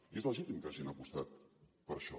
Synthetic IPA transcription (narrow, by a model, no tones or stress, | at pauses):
iezləʒit̪imkaʒinəpust̪at̪̚pəɾʃɔ̰